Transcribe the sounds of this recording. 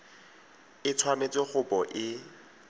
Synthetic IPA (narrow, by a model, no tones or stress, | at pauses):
ɪt͡sʰwamet͡sʼɪχʊpɔʔɪ